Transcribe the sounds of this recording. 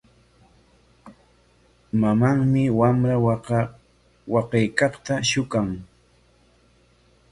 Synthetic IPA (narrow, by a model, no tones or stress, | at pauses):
mamaŋmɪwamɾa | wɑqɑjkɑχt̪aʃʊkaŋ